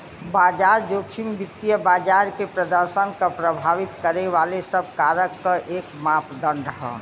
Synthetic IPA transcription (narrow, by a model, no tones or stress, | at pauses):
baːd͡ʒaːɾd͡ʒoːkʰimbit̪ːijəbaːd͡ʒaɾkepɾəd̪əɾʃənkapɾəbʱaːʋit̪kəɾeʋalesəb̚ʱkaːɾəkːaʔeːkmaːpd̪ə̃ɳɖəɦə̰